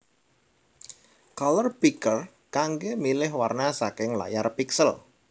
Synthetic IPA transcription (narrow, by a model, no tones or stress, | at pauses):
kɔlɔrbikər | kaŋɡemilɪɦwarnasakɪŋla̰jarpiksəl